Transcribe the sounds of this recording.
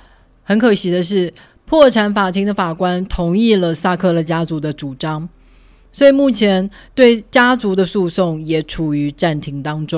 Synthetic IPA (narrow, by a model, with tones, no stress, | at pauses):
xə˧˥nkʰɤ˨˩ɕi˧˥d̪ə˧ʂ̬ɻ̩˥˩ | pʰwɔ˥˩ʈ͡ʂʰa˧˥nfa˨˩t̪ʰi˧˥ŋd̪ə˨˧fa˨˩kwa˥nt̪ʰʊ˧˥ŋi˥˩lə˩sa˥˧kʰɤ˥˩lə˧˩t͡ɕja˥t͡su˧˥d̪ə˧ʈ͡ʂu˨˩ʈ͡ʂɑ˥ŋ | swɔ˧˥i˨˩mu˥˩t͡ɕʰjɛ˧˥nt̪we˥˩ɪt͡ɕja˥t͡su˧˥d̪ə˧su˥˧sʊ˥˩ŋjɛ˨˩ʈ͡ʂʰu˨˩y˧˥ʈ͡ʂa˥˩nt̪ʰi˧˥ŋt̪ɑ˥ŋʈ͡ʂʊ˥ŋ